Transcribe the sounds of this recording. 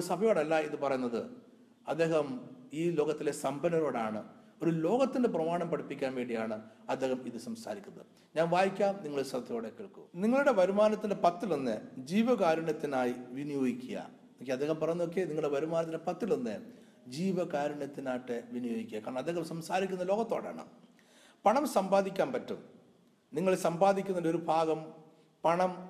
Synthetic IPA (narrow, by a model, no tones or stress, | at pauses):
osɐbʱɐjo̞ːɽɐlːɐiðɨpɐrɐjunːɐðɨ̰ | ɐd̪ːe̞ːɦɐmiːloːɣɐt̪ːile̞sɐmbɐnɐɾo̞ːɽaːɳɨ | o̞ɾulo̞ːɣɐt̪ːinde̞prɐmaːɳɐmpɐɽʰipːikʲːaːnʋe̞ːɳɖijaːɳɨɐd̪ːe̞ːhɐmiðɨsɐmsaːɾikʲːunːɐðɨ | ɲaːnʋaːjikʲːaːmniŋːɐɭoɾsɐb̪ʱɐjoːɽekːeɭkṵniŋːɐɭuɽe̞ʋɐɾumaːnɐt̪ːinde̞pɐt̪ːilonːḛd͡ʑiːʋɐkaːɾɐɳɐt̪ːinaːjiʋinijo̞ːɡikʲːijɐ̰ | okːieɐd̪ʱeːhɐmpɐrɐnɲːuo̞k̬ːe̞niŋːɐɭuɽeʋɐɾumaːnɐt̪̬ːinde̞pɐt̪ːilonːɨ | d͡ʑiːʋɐkaːɾɐɳɐt̪ːinaːjʈːɨʋinujo̞ːɡikʲːijɐkaːɾɐɳɐmɐd̪ʱːeɣɐmsɐmsaːɾikʲːunːɐlo̞ːɡɐt̪ːo̞ːɽa̰ːɳɨ̰ | pɐɳɐmsɐmbaːd̪ikʲːaːnpɐtːṵm | niŋːɐɭesɐmbaːd̪ikʲːunːɐndo̞ɾubʱaːɡɐm | pɐɳɐm